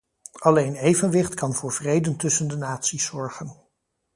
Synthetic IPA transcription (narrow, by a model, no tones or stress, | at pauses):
ɑlejnejvənʋɪχtkɑnvʊːɹv̥rejdəntɵsəndənaːtsisɔɹχən